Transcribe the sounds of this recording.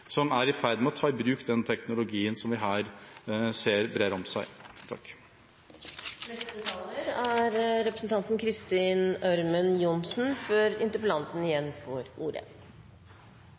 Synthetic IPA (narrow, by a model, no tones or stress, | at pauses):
sɔmæɾɪfæɾd̪mɛɔt̪ʰɑːɪbɾʉːkd̪ɛnt̪ʰɛknʊlʊɡiːənsɔmʋɪɦæːɾseːɾbɾeːɾɔmsæɪt̪ʰɑ̰kː | nɛst̪ət̪ʰɑːləɾæɾɾɛpɾəsn̩t̪ʰɑnt̪n̩kʰɾɪst̪iːnœɾmənjʊnsn̩fɔøɾɪ̰nt̪əɾpəlɑnt̪n̩ɪjɛnːfɔɾuːɾə̰